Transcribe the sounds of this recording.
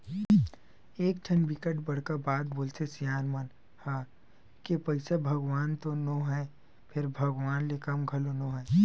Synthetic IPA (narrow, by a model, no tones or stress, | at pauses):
eːk̚ʈʰɐnbɪkəʈbɐɽ̤kabaːt̪̚boːlsesijaːnmɐn | haː | kepɐɪsabʱɐɡʋaːnt̪onoːɦɛː | pʰɪɾbʱɐɡʋaːnlekɐmɡʱɐlonoːɦɛː